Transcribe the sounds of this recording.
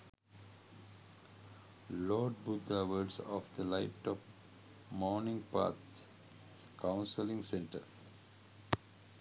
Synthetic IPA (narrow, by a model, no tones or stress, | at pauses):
lɔːɖ̚bʊd̪aʋəɾɖsɔfd̪əlaɪp̚ʈɔp | mɔːnɪ̃ŋɡpa̰ːt̪ | kãʊ̃nsəlɪ̃ŋɡsẽɳʈə̰ɾ